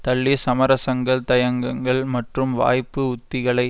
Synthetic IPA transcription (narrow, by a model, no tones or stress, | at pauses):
t̪ɐɭːisɐmɐɾɐsɐŋɡɐɭt̪ɐjɐŋɡɐŋɡɐɭmɐʈrɯmʋa̰ːjpːɯʊt̪ːɪɣɐɭɐɪ